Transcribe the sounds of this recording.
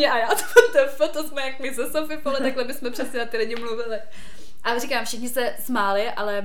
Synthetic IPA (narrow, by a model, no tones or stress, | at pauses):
ɲɛʔajaːt̪o̥pot̪ɛfɪlt̪osmɛjakmɪzɛsofɪpolɛt̪aklɛmɪsmɛpr̝̥ɛsɲɛnat̪ɪlɪɟɪmluvɪlɪ | ʔarɪkaːmfʃɪxɲɪsɛsmaːlɪʔalɛ